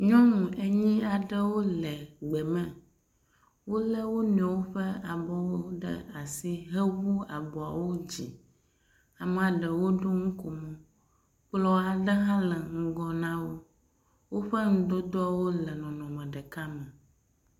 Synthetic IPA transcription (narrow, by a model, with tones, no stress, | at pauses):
ɲɔ̃˦ŋũ˨e˨ɲĩ˦a˨ɖə˦wo˦lɛ˨ɡ͡bɛ˨mɛ̃˨ | wo˦lə˦wo˦ñ˨ɛ˨wo˦ɸɛ˦a˨bɔ˦wo˦ɖə̰˦a˨si˦ɦə˦wu˦a˨bɔ˨a˨wo˦d͡ʑi˨ | a˨m˨a˨ɖə˨wo˦ɖo˦ŋũ˦ko˨mɔ̃˦ | k͡plɔ˦a˨ɖə˦ɦã˦lɛ˨ŋ̩˦ɡɔ˨nã˦wo˦ | wo˦ɸə˦ŋ̩̃˦d̪o˦d̪ɔ˦a˨wo˦lɛ˨nɔ̃˨nɔ̃˨mɛ̃˨ɖɛ˨ka˦mɛ̃˨